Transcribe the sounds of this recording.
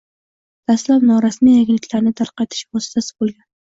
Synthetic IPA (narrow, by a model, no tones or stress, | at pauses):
d̪̥ast̪labnɒɾasmijaɡʲlɪkʲlaɾnɪt̪ʰaɾqɑt̪ʰɪ̥ʃvɒsɪ̥t̪ʰasɪ̥bolˠɡʲan